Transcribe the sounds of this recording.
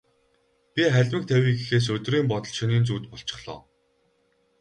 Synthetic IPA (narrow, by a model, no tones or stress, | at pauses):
pʲiχæɮʲmɘ̆k̚t̪ʰæwʲiːɡixeːs̬ɵt̪riːmpɔt̪ɞ̆ɮʃɵniːnt͡suːt̪pɔɬt͡ɕɪ̥̆χɮɔ̰ː